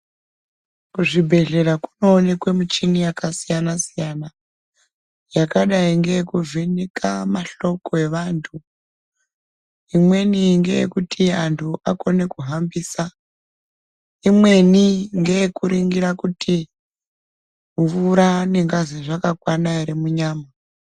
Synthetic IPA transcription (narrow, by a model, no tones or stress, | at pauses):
kuʐibʱe̞ɮe̞ɾakuno̞ːne̞kwe̞mut͡ʃinijakasijanasijana | jakaɗaiŋɡe̞jekuvinikʰamaɬo̞ko̞e̞ʋantʰu | imwe̞niŋɡe̞̰jḛkutʰiantʰuʔako̞ne̞kuɦambiːsa | imwe̞niŋɡe̞jekuɾiŋɡiɾakutʰi | mvuɾaneŋɡaziʐakakwanaiɾimuɲaːma